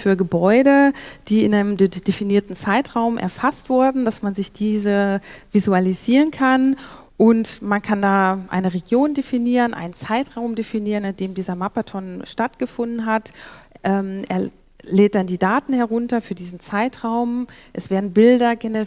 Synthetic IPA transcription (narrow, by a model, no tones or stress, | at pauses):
fyːɐɡəbɔʏdəd̥iːɪnʔaɪnəmd̥efiniːɐtn̩t͡saɪtʁ̥aʊmʔɛ̰ɐfastv̥ʊɐdn̩dasmanzɪçd̥iːzəvizualiziːʁənkʰan | ʔʊntmankʰandaːʔa̰ɪnəʁeɡjoːndefiniːʁənʔa̰ɪnnt͡saɪtʁ̥aʊmdefiniːʁənand̥eːmdiːzɐmapatʰɔnʃtatɡ̥əfʊndn̩atʔɛːmʔḛːɐ | leːt̚d̥andiːdaːtn̩hɛɐʁ̞ʊntɐfyːɐdiːzn̩t͡saɪtʁ̥aʊmʔɛsv̥eːɐdn̩bɪldɐɡenə